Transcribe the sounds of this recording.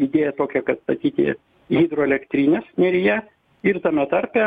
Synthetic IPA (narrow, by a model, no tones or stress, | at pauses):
id̪ʲeːjɛt̪oːkʲɛkɐt̪st̪ɐt̪ʲiːt̪ʲɪ̰ | ɣʲiːd̪ɾoːɛlʲɛkt̪ʲɾʲiːnʲeːsnʲɛɾʲɪjɛ | ɪrt̪ɐmʲɛt̪ɐɾʲpʲɛ